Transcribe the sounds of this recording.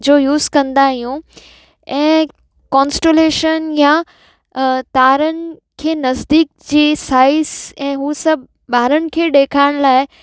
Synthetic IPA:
d͡ʑoːjuːzkɐ̃nd̪aːɦijũ | ɛ̃ː | kɔ̃ːnsʈeleːʃənja | t̪aːɾənɪ̆kʰeːnɐzd̪iːk̚d͡ʑiːsaːɪzɛ̃ːɦusɐbʱ | ɓaːɾəñɪ̆kʰeːɗeːkʰaːɪɽ̃laːɪ

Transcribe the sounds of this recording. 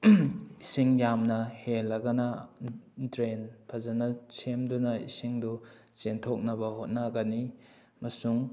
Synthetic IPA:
isiŋjamnɐhelːɐɡɐnɐ | dɾenpʰɐzɐnɐsʰemdunɐḭsiŋdu | t͡ʃentʰok̚nɐbɐhot̚naɡɐni | mɐsuŋ

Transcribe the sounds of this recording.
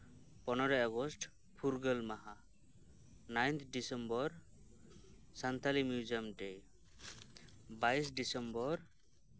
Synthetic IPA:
pɔnɔɾɔaɡɔsʈ | pʰuɾɡəlmaɦa | najnt̪ʰɖisɛmbɔɾ | sant̪ʰalimjud͡ʒiamɖɛ | bajs̬ɖisɛmbɔɾ

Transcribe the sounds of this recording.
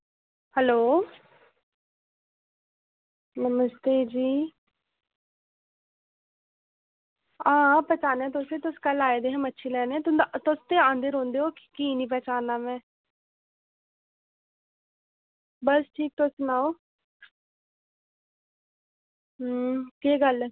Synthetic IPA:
hɛloː | nəməst̪eːd͡ʒiː | ãːpɛt͡ʃaːnɛ̃ːt̪̬ʊset̪ʊskəlaːed̪eɦəmətːʃʰiːlɛːnɛ̃t̪ʊnt̪ʊst̪eãːnd̪əɾɦõːnd̪eokkiːnĩːp̬ɛt͡ʃaːnaːmɛ̃ː | bəsʈʰiːk̚t̪ʊsnaːoː | keːɡəl

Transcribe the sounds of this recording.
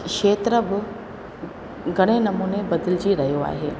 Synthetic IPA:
keːt̪ɾəbɪ | ɡʱɐɽ̃enɐmuːnebɐd̪ɪlɪd͡ʑiɾɐɦijoa̰ːɦeː

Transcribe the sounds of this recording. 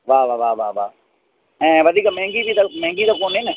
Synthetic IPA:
ʋaːʋaːʋaːʋaːʋa̰ː | ɛ̃ːʋəd̪ʱiːkaːmɛ̃ːŋɡiːd̪iːt̪amɛ̃ːŋɡiːd̪akoːneːnə

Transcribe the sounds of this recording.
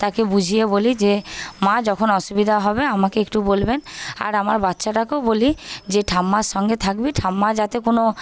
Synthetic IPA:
t̪akebud͡ʑʱijebolid͡ʑemad͡ʒɔkʰonɔʃubid̪ʱaɦɔbeamakeek̚ʈubolbena̰ɾamaɾbat̪ːʃaʈakowbolid͡ʑeʈʰamːaʃɔŋɡet̪ʰakbiʈʰamːad͡ʒat̪ekono

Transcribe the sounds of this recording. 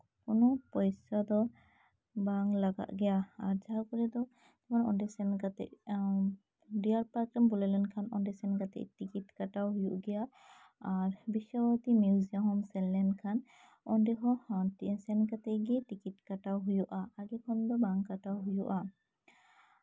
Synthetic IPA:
kɔnɔpɔjsad̪ɔ | baŋlaɡa̰ʔɡɛjaaɹzaɦakɔɾɛd̪ɔ | t̪ɛkʰanɔ̰ndɛsɛnɡat̪ɛ̰ʔ | dijaɹpakɾanbɔlɛlɛnkʰanɔ̰ndɛsɛnkat̪ɛ̰ʔtikitkatawɦujuʔɡɛja | aɹbisawat̪imjuziaɦɔmsɛllɛnkʰan | ɔndɛɦɔhantisɛnɡat̪ɛɡɛtikitkatawɦujuʔaːɡɛkʰɔnd̪ɔbaŋkatawɦujuʔa

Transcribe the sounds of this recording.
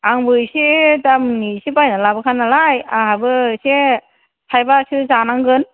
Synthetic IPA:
aŋbɯjsitamnisibajnalabɯkʰanalajaɦabɯse | tʰajbasɯzanaŋɡɯn

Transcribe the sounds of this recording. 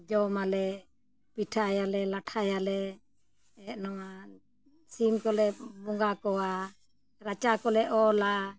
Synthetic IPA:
d͡ʒɔmalɛ | piʈʰajalɛlaʈʰajalɛ | ɛʔnɔŋa | simkɔlɛbɔŋɡakɔwa | ɾat͡ʃakɔlɛʔɔla

